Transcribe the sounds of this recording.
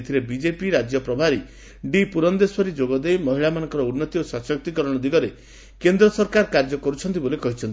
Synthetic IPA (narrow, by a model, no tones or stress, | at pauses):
t̪ʰiɾebid͡ʒepiɾad͡ʒjɔpɾɔbʱaɾi | ɖipuɾɔnd̪eswɔɾid͡ʒoɡɔd̪ejmɔɦiɭamanɔŋkɔɾɔunːɔt̪iosasɔk̚t̪ikɔɾɔɽ̃ɔd̪iɡɔɾe | kend̪ɾɔsɔɾkaɾkaɾd͡ʒɔkɔɾut͡ʃʰɔnt̪ibolekɔɦit͡ʃʰɔnt̪i